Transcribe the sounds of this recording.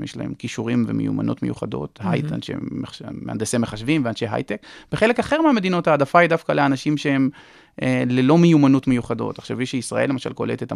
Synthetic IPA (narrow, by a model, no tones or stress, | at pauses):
mjeʃla̰he̞̰mkiʃuʁimvḛmejṵma̰no̰tme̞juχado̞̰t̪ha̰jta̰nʃḛeea̰nd̪eseme̞χaʃvimveanʃeɦa̰jt̪ekb̥eχe̞lekaχe̞ʁmeame̞d̪ino̞thaːdafaid̪afkaleanaʃimʃeem | ʔelelo̞mejumanotmejuχado̞̰taχʃaviʃeisʁaʔe̞lːemaʃalko̞let̪et̪a